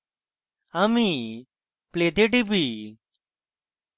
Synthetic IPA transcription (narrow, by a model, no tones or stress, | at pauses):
ami | pleːt̪eʈipiː